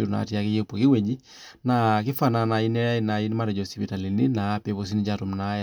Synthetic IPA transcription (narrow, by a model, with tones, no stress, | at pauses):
u˨ɾu˨na̰˨ti˦a˦ke˦jo˦pːo˨ki˦we˨d͡ʒi˦ | na˨k̬i˦fa˨na˨na˨i˦nɛ˦a˦ina˨i˦ni˦ma˦ɾɛ˨d͡ʒɔ˨si˨pi˨ta˨li˨ni˦na˨˦pe˦βo˦s̬i˦ni˦d͡ʒa˦to˨mna˦ja